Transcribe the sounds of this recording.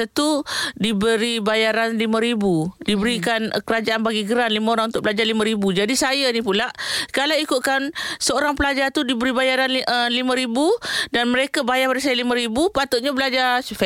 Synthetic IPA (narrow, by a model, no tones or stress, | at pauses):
ət̪udibəɾibajaɾanlimãɾibudibəɾikankəɾad͡ʒaʔanbaɡiɡəɾanlimãoɾãŋunt̪ʊʔ̚pəlad͡ʒarlimãɾibud͡ʒadisajanĩpulaʔkalawikuʔ̪kansəoɾaŋpəlad͡ʒat̪udibəɾibajaɾanəlimãɾibudanməɾekabajabadis̬ajalimə̃ɾibupat̪ʊʔɲabəlad͡ʒasufɛ